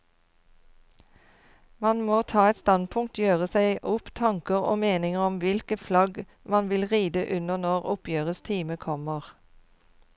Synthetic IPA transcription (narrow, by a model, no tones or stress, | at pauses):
mɑnmoːt̪ʰɑːɛt̪st̪ɑnpʰʊŋk̚t̪jøːʁəsæɪʔʊpt̪ʰɑŋkəʁo̰ːmeːnɪŋəʁɔmʋɪlkəflɑɡ | mɑnʋɪlʁiːd̪əʔʉnəʁnɔʁʊpjøːʁəst̪ʰiːməkʰɔməʁ